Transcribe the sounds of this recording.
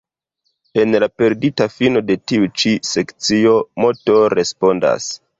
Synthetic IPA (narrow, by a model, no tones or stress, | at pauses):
e̞nlape̞ɾditafino̞de̞tiut͡ʃise̞kt͡sio̞moto̞ɾe̞spo̞nda̰s